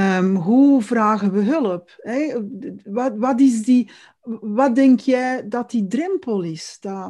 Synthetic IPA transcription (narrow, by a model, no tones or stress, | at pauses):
əmɦuvraːɣənʋəɦɵləpɛ | ɑʋɑtɪzdi | ʋɑdɛŋkjɛjdɑtidrɛmpəlˠɪsd̥a